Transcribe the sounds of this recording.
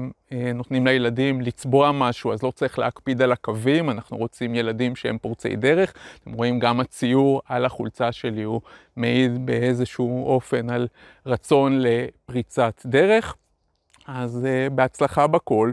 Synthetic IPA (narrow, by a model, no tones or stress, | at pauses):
meno̞t̪nimlejeladimlit͡sbo̞amaʃuazlo̞t͡saʁiχleakpid̪alakavimanaχnuʁo̞t͡simje̞ladimʃehḛmpoʁt͡se̞̰jde̞ʁe̞χt̪e̞mʁo̞imɡamat͡sijuʁalaχult͡saʃe̞liu | meidbe̞e̞zeʃuo̞fe̞nal | ʁat͡so̞nle̞pʁit͡sat̪d̪e̞ʁe̞χ | azebe̞at͡slaχabako̞l